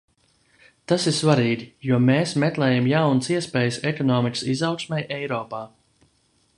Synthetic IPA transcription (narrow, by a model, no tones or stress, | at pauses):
t̪asiɾsvaɾiːɡʲijuɔmeːsmɛt̪lˠɛːjamjawnəsiɛspɛːjsɛkɔnɔːmikə̥sizawksmʲɛjʔɛjɾɔːpaː